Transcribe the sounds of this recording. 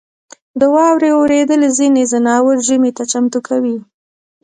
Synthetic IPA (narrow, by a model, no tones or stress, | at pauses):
d̪əwɑwɾeoɾed̪əlezinezanɑwəɾʒəmet̪at͡ʃamt̪ukʰawi